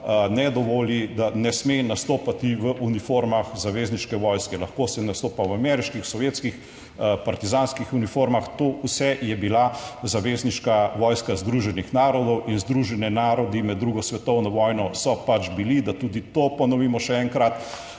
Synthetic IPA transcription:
nɛd̪ɔʋoːlid̪anɛsmenast̪oːpat̪iʋəʔunifoːɾmaxzaʋeːzniʃkɛʋɔːjskɛlaxkoːsɛnast̪oːpawamɛɾiʃkixsɔʋjeːt̪skix | paɾt̪izaːnskixunifoːɾmaxt̪oːusɛjɛbilazaʋeːzniʃkaʋɔːjskazd̪ɾuːʒɛnixnaːɾɔd̪ɔwinzd̪ɾuʒɛnɛnaɾɔd̪imɛd̪ːɾuɡɔsʋɛt̪ɔwnɔʋɔːjnɔsɔpat͡ʃbilid̪at̪uːd̪it̪opɔnɔʋiːmɔʃɛɛŋkɾat̪

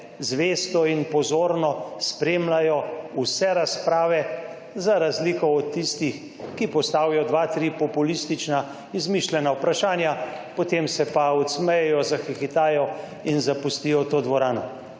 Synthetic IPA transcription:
zʋeːst̪ɔinpɔzoːɾnɔspɾeːmlajɔusɛɾaspɾaːʋɛ | zaɾazliːkɔɔt̪ːist̪ix | kipɔst̪aːwjɔd̪ʋat̪ɾipɔpulist̪it͡ʃna | izmiʃlʲɛnawpɾaʃaːnja | pɔt̪eːmsɛpaɔt̪smɛjɛjɔzaxixit̪aːjɔ | inzapust̪ijɔt̪oːd̪ʋɔɾaːnɔ

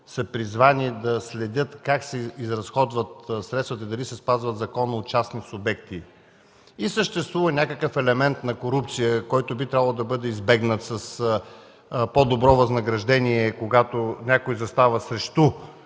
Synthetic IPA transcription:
sɐpɾizvanid̪ɐslɛd̪ʲɤt̪kaksɛizɾɐsxɔd̪vət̪sɾɛt̪st̪vət̪əid̪ɐlisɛspazvət̪zɐkɔnəot͡ʃasnisʊbɛkt̪i | isəʃt̪ɛst̪vuvənʲakəkəfɛlɛmɛnt̪nɐkoɾup̚t̪sijəkɔjt̪obit̪ɾʲabəlˠod̪ɐbɤd̪ɛizbɛɡnət̪səs | pod̪obɾɔvɐznɐɡɾɐʒd̪ɛniɛkoɡat̪onʲakojzɐst̪avəsɾɛʃt̪u

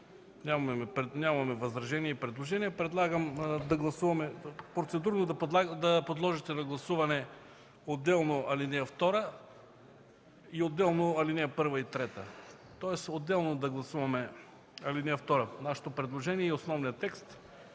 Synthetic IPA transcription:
nʲamɛpɾɛnʲamɐmɛvɐzɾɐʒɛniɛipɾɛd̪lˠoʒɛniɛpɾɛd̪lˠaɡəmd̪ɐɡlˠɐsuvɐmɛpɾot̪sɛd̪uɾnod̪ɐp̪ˠad̪ɐpod̪lˠɔʒit̪ɛnɐɡlˠɐsuvɐnɛ | od̪ːɛlˠnoʔɐlinɛɛft̪ɔɾə | iod̪ːɛlˠnoɐlinɛɛpɤɾvəit̪ɾɛt̪ə | t̪ɔɛsod̪ːɛlˠnod̪ɐɡlˠɐsuvɐmɛ | ɐlinɛɛft̪ɔɾənaʃɛ̥t̪opɾɛd̪lˠoʒɛniɛiosnɔvnijət̪ɛkst̪

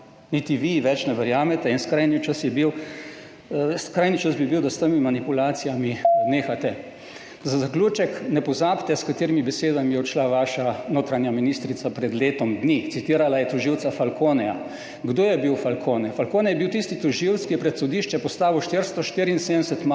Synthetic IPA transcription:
nit̪iʋiʋɛt͡ʃnɛʋɛɾjaːmɛt̪ɛinskɾaːjnit͡ʃasjɛbiw | skɾaːjnit͡ʃəsbibiwd̪ast̪əmimanipulaːt̪sijamineːxat̪ɛ | zazakluːt͡ʃɛknɛpɔzaːbt̪ɛskat̪eːɾimibɛseːd̪amijɛɔt͡ʃlaʋaːʃanoːt̪ɾanjaminist̪ɾit̪sapɾɛd̪leːt̪ɔmd̪nit̪sit̪iːɾalajɛt̪ɔʒiwt̪safalkoːnɛja̰ | ɡd̪oːjɛbiwfalkʰoːnɛfalkoːnɛjɛbiwt̪ist̪it̪ɔʒiwt̪skijɛpɾɛt̪sɔd̪iʃt͡ʃɛpɔst̪aːʋiwʃt̪iɾst̪ɔʃt̪iːɾiːnsed̪əɛsɛt̪m

